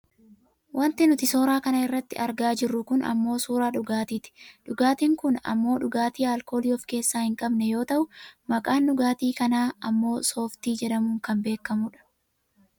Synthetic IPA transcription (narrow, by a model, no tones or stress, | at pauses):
wʔɐnt̪ɪnʊt̪ɪso̞ːɾaːkɐnɐɪrːɐt̪ːɪ̰ʔɐɾɡaːd͡ʒɪrːʊkʊnɐ̰mːo̞ːsuːɾaːᶑʊɡaːt̪iːt̪ɪ̥ᶑʊɡaːt̪iːŋkʊnɐ̰mːo̞ːᶑʊɡaːt̪iːaːlko̞ːliːɔfke̞ːsːaːhɪŋkʼɐbnɛjo̞ːt̪ɐʔʊmɐkʼaːnɗʊɡaːt̪iːkɐnaːɐmːo̞ːso̞ːft̪iːd͡ʒɛᶑɐmuːŋkɐmbe̞ːkːɐmuːᶑɐ̥